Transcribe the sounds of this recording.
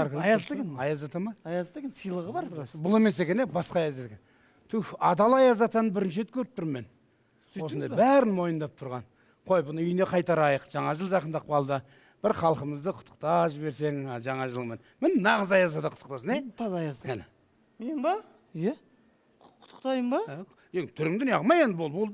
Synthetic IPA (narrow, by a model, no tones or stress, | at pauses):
ɾk̪j̪keɑjɑzɑt̪ɑmɑjɑzt̪eknsijlˠəʁəbɑɾbʊlˠe̞me̞s̬e̞kʲe̞nebɑsqɑɑjɑzet̪ekʲen | t̪ʰʏɑd̪ɑlˠɑjɑzɑt̪ɑnəbɪɾɪnʃɪet̪̚kʲʰɵɾɪp̚t̪ʰʊɾme̞n | wo̞sənd̪ɑjbæɾɪnmo̞jənd̪ɑp̚t̪ʰʊɾʁɑn | qʰo̞jbʊnəʏjne̞qʰɑjt̪ɑɾɑjəqʒ̥ɑɴɑʒəlˠʒɑqənd̪ɑq̚pɑlˠd̪ə | b̥ɪɾχɑlˠqəməzd̪əqʰʊt̪ʰːə̥qt̪ɑʒɪbe̞ɾse̞ŋʒɑɴɑʒəlˠəmenmɪnɪnɑʁəzɑjɑzɑd̪ɑqʰʊ̥t̪ːə̥q̚t̪ɑs̬əneɑzɑjɑzæ | menbɑ | ja | qʰʊ̥t̪ʰːə̥qt̪ɑjəmbɑ | eŋt̪ʰʏɾɪŋd̪ɪnjɑʁmɑjenəbolˠbolˠd̪